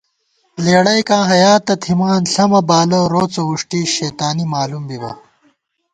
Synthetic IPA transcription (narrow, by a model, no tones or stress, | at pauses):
leːɽɐjkãːɦɐjaːt̪ɐt̪ʰimaːnɬɐmɐbaːlɐɾoːt͡sɐwuʂʈiʃeːt̪aːnimaːlumbibɐ̰